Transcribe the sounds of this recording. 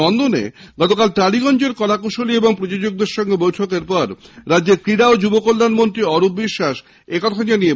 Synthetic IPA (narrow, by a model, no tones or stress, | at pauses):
ɔnd̪onḛɡɔt̪okalʈaɽiɡɔnd͡ʑeɾkɔlakuʃolieboŋpɾod͡ʑod͡ʑoɡ̚d̪eɾʃɔŋɡebojʈʰokeɾpɔɾɾadːd͡ʑeɾkɾiɽaod͡ʑubokolːanmont̪ɾiɔɾup̚biʃːaʃ | ekɔt̪ʰanienie